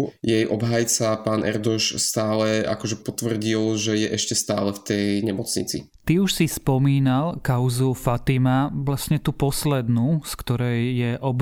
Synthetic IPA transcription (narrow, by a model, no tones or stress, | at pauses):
jɛjʔɔbɦajt͡sapaːnʔɛ̰ɾd̪ɔʃst̪aːlɛa̰kɔʒɛpɔt̪ʋr̩ɟilʒɛjɛʔɛʃcɛst̪aːlɛft̪ɛjɲɛmɔt͡sɲḭt͡sḭ | t̪iuʃsispɔmiːnalkaʊzufat̪imaʋlasɲɛt̪upɔslɛd̪nuskt̪ɔɾɛjːɛʔɔb